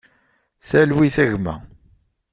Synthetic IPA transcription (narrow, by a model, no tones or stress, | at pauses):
θælwiθæɣmæ̰